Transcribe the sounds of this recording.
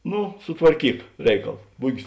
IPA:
ˈnʊ sʊtʋɐrʲˈkʲiːk ˈrʲɛɪkɐlˠ ˈbʊɡʲɪs

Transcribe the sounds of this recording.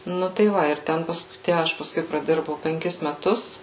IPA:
ˈnʊ tɐɪ ˈʋɐ ɪr ˈtʲɛn ˈpɐs ˈtʲæ ˈɐʃ pɐˈskʊɪ prɐˈdʲɪrbɐʊ pʲɛŋʲˈkʲɪs mʲɛˈtʊs

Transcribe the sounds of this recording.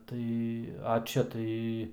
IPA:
ˈtɐɪ ɐ ˈt͡ʃʲɛ tɐɪ

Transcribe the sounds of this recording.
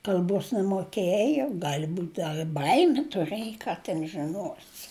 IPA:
kɐlʲˈboːs nʲɛmoːˈkʲeːjoː ˈɡɑːlʲɪ ˈbuːt ˈdɐr ɪ ˈbɐɪmʲɪ tʊˈrɘjoː ˈkɑː tʲɛn ʒʲɪˈnoːsʲɪ

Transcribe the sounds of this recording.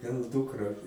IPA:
ɡɐlˠ ˈdʊkrɐ

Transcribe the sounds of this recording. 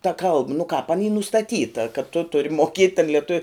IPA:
tɐ ˈkɐlˠp nʊ kɑːp ɐn iː nʊstɐˈtʲiːtɐ kɐt tʊ ˈtʊrʲɪ moːˈkʲiɛtʲ tɐn lʲiɛˈtʊw

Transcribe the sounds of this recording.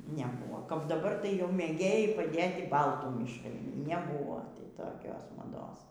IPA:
nʲɛˈbuːʋoː kɐp dɐˈbɐr tɐɪ jɛʊ mʲeːˈɡʲeːjɛɪ pɐˈdʲeːtʲɪ ˈbɐlˠtuː mʲɪʃˈrɐɪ nʲɛˈbuːʋoː tʲɪ toːˈkʲoːs mɐˈdoːs

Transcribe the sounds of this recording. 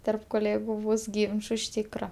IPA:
tʲɛrp koːˈlʲeːɡʊ ˈbʊs ˈɡʲiːnt͡ʃʊ ɪʃ ˈtʲiːkrɐ

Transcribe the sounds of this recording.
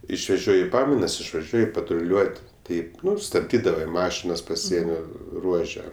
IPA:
ɪʃʲʋʲɛˈʒʲoːjɪ ˈpɑːmɐɪnɐs ɪʃʋɐˈʒʲuɔjɪ pɐtrʊˈlʲuɔtʲ ˈtɐɪp ˈnʊ stɐbʲˈdʲiːdɐʋɐɪ ˈmɑːʃʲɪnɐs pɐˈsʲiɛnʲoː ˈruɔʒʲɛ

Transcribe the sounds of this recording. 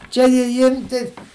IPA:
ˈt͡ʃʲɛ jɪ ˈiːr tʲɛɪ

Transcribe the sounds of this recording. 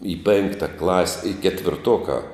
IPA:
iː ˈpʲeːŋktɐ klˠɐsʲ ɪ kʲɛtʲʋʲɪrˈtoːkɑː

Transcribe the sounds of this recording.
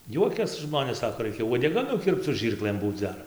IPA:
ˈjuɔkʲɛs ˈʒmoːnʲeːs ˈsɑːkoː ˈrɐɪkʲɛ uɔdʲɛˈɡɐ nʊˈkʲɪrpt͡s sʊ ˈʒʲiːrklˠɘm ˈbuːt͡s ˈdɐr

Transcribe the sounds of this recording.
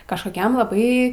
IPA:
kɐʃˈkoːkʲɛm lˠɐˈbɐɪ

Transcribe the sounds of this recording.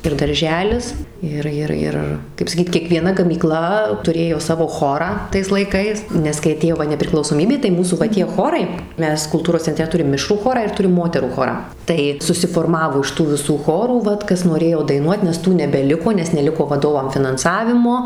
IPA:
ɪr dɐrʲˈʒʲæːlʲɪs ˈɪr ˈɪr ˈɪr kɐɪp sɐˈkʲiːt kʲiɛkʋʲiɛˈnɐ ɡɐmʲiːˈklˠɐ tʊˈrʲeːjoː ˈsɑːʋoː ˈxoːrɑː tɐɪs lˠɐɪˈkɐɪs nʲɛs kɐɪ ɐˈtʲeːjoː ˈʋɐ nʲɛpʲrʲɪklˠɐʊsoːˈmʲiːbʲeː tɐɪ ˈmuːsuː ʋɐ ˈtʲiɛ ˈxoːrɐɪ ˈmʲɛs kʊlˠˈtuːroːs t͡sʲɛnʲˈtʲrʲɛ tʊˈrʲɪm ˈmʲɪʃruː ˈxoːrɑː ɪr ˈtʊrʲɪm ˈmoːtʲɛruː ˈxoːrɑː ˈtɐɪ sʊsʲɪfoːrˈmɑːʋoː ɪʃ ˈtuː ʋʲɪˈsuː ˈxoːruː ˈʋɐt ˈkɐs noːˈrʲeːjoː dɐɪˈnuɔt nʲɛs ˈtuː nʲɛbʲɛˈlʲɪkoː nʲɛs nʲɛˈlʲɪkoː ʋɐˈdoːʋɐm fʲɪnɐnˈsɑːʋʲɪmoː

